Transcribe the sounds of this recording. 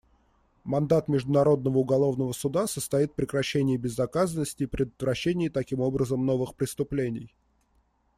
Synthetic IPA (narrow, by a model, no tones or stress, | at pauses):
mɐnd̪at̪mʲɪʐd̪ʊnɐɾo̞d̪nəvəʊɡɐlˠo̞vnəvəsʊd̪asəst̪ɐit̪̚pɾʲɪkɾɐɕːenʲɪjəbʲɪzːɐkazənːəsʲtʲɪːpɾʲɪd̪ət̪vɾɐɕːenʲɪjət̪ɐkʲimo̞bɾəzəmno̞vɨxpɾʲɪst̪ʊplʲenʲɪj